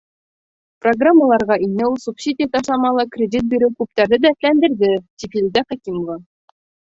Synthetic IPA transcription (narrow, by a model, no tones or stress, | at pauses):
proɡramːəlˠɑɾʁɑinːɘulˠsupsʲid̪ʲɪjat̪ɑʃlˠɑmɑlˠɤkrʲɪdʲit̪̚biɾɘwkʉp̚t̪æɾðɘd̪æɘt̪lænd̪ɘ̆ɾðɘt̪ʲipilʲd̪æχækʲimŏvɑ